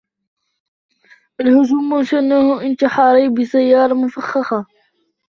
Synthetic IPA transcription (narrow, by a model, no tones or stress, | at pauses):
ʔalhʊʒuːmːʊnʃanːahʊʔɪnt̪ɪħɑɾˤibɪsajːɑːɾˤɑmʊfaxːɑxɑ